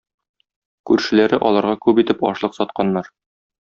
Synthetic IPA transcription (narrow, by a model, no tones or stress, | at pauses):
kʉɾʃɘ̆læɾɘʔɒlˠɑɾʁɑkʉbit̪ɘpɒ̰ʃlˠɤqsɒt̪̚qɑnːɑɾ